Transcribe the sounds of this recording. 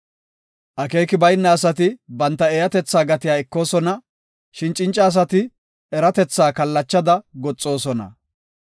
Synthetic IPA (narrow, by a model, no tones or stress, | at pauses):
ʔɐke̞ːkɪbɐjnːɐːsɐt̪ɪbɐnt̪ːɐɛjɐt̪ɛt͡sːaːɡɐt̪ɪjaːɛkːo̞ːsɔnɐ | ʃɪnt͡ʃʼːɪnt͡ʃʼːɐːs̬ɐt̪ɪ | ɛɾɐt̪ɛt͡sːaːkɐlːɐt͡ʃːɐd̪ɐɡɔt͡sʼːo̞ːsɔnɐ̰